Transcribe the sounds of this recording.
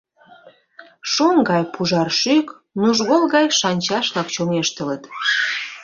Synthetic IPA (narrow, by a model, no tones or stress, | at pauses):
ʃoŋɡɑjpuʒɑrʃyk | nuʒɣolɣɑjʃɑnʲt͡ɕɑʃlɑkt͡ɕomeʃt̪ələt̪